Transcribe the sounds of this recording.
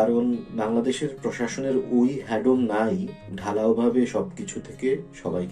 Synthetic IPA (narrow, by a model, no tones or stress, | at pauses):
aɾonbaŋlad̪eʃeɾpɾoʃaʃoneɾojɦɛɖomnajɖʱalaobʱabeʃɔb̚kit͡ɕʰut̪ʰekeʃɔbajk